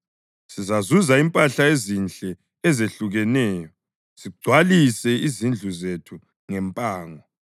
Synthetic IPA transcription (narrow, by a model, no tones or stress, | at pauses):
sizazuzaimpʼaɬaezint͡ɬʼɛː | zeɬuɣɛnɛːjɔ | siɡ͡ǀʱwalisɛizind͡ɮʱuzetʰu | ŋɛmpʼaːŋɔ